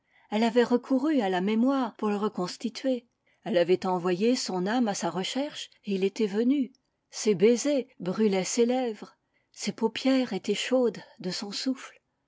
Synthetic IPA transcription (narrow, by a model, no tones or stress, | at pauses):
ɛlavɛʁəkʰuʁyalamemwaʁpuʁləʁəkɔ̃st̪it̪ɥe | ɛlavɛt̪ɑ̃vwajesɔ̃namasaʁəʃɛʁʃ | eilet̪ɛvəny | sebezebʁylɛselɛvʁ | sepopjɛʁet̪ɛʃod̪ːəsɔ̃sufl